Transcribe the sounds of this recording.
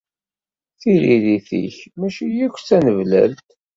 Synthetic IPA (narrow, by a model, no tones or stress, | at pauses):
θiɾiðiθḭçmæʃijækʷːt͡sːænəvlæ̰lt̪